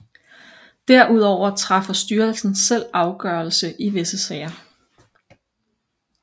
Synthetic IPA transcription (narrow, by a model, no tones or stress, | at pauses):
d̥æɐ̰ʔuð̞̰ˠɒʊ̰ɐt͡sʰʁɑ̈fɐsd̥yːɐlsn̩ssel̰ɑ̈ʊɡ̥ɶɐl̩səʔiʋe̝səsɛɪɐ